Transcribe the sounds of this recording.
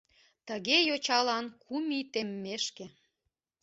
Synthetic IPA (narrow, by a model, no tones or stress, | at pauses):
t̪əɣejot͡ɕɑlɑnkʰumit̪emːeʃke